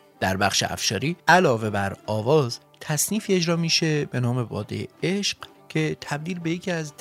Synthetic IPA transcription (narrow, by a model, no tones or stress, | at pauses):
d̪̥æɾbæxʃe̞̰ʔæ̰fʃɒːɾiːʔælɒːve̞bæɾɒːvɒːz | t̪ʰæsniːfiːe̞d͡ʒɾɒːmiːʃe̞be̞nɒːme̞bɒ̰ːd̪ejḛeʃɢ̥ | cʰe̞t̪ʰæb̚d̪iːlbe̞jecʰiːæz